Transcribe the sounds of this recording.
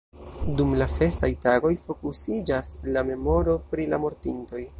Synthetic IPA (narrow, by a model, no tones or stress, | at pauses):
dumlafe̞stajtaɡo̞jfo̞kusid͡ʒaslame̞mo̞ɾo̞pɾilamo̞ɾtinto̞j